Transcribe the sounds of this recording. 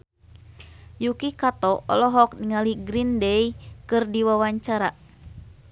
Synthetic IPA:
jukikat̪ɔʔɔ̰lɔɦɔk̚niŋaliɡɾindɛjkɨrdiwawaɲt͡ʃaɾa

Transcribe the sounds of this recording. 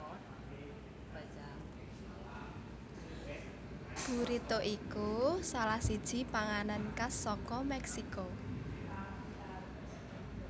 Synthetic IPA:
b̥ṳɾit̪oʔikusalahsid̥ʒ̥i̤paŋanankasɔkɔmɛksiko

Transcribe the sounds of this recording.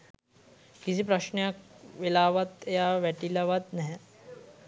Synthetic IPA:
kisipɾɐʃnejak̚ʋelaːʋat̪ejaːʋæʈilɐʋat̪nɛɦɛ

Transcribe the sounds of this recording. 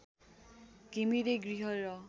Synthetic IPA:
kimiɾeɡɹiɦɔjɹɔ

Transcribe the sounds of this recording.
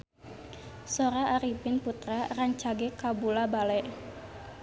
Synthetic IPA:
soɾaːɾipɪnput̪ɾaraɲt͡ʃaɡɛkabulabalɛʔ

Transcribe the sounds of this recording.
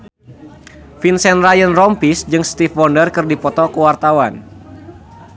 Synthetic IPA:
finsɛnrajənrɔmpisd͡ʒɨŋst̪ifwɔndərkɨrdipɔt̪ɔkuwart̪awan

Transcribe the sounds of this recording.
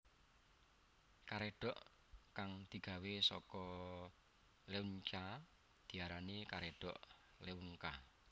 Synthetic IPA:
kaɾeɖ̥ɔ̤ʔ | kaŋd̪̥i̤ɡ̥a̤wesɔkɔ | leuɲt͡ʃa | d̪̥i̤aɾanikaɾeɖ̥ɔʔ | leuŋka

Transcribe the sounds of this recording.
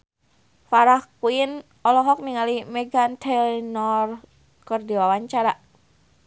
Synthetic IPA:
faɾahkuin | ɔlɔɦɔk̚niŋalimɛɡant̪ʰɛlnɔr | kərdiwawaɲt͡ʃaɾa

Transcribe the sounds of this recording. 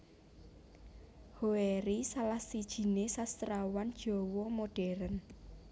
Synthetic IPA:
hoeɾisalahsid̥ʒ̥i̤nesast̪ɾawand̥ʒ̥ɔ̤wɔmoɖ̥ɛ̤ɾən

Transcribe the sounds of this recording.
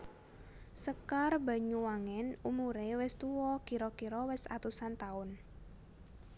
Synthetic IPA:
səkarba̤ɲuwaŋɛnumuɾewɪst̪uwɔkiɾɔkiɾɔwɪsa̰t̪usant̪aʊn

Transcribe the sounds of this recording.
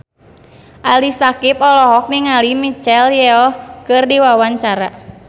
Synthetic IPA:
ʔalisakipɔlɔɦɔk̚niŋalimit͡ʃɛljɛɔkɨrdiwawaɲt͡ʃaɾa̰

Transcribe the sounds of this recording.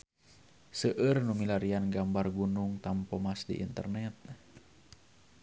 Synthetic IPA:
səʔɨrnumilaɾianɡambarɡunuŋt̪ampɔmasdḭʔḭnt̪ə̰rnɛt̪̚

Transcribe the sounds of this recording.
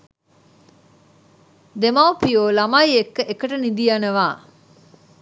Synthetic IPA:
d̪emawpijoːlamajekːəʔekəʈənid̪ijanəʋaː

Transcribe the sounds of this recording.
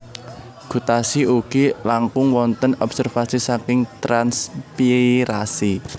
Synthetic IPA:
ɡ̥ṳt̪asiʔuɡ̥ilaŋkʊŋwɔnt̪ənɔb̥sərfasisakɪŋt̪ɾanspiɾasi

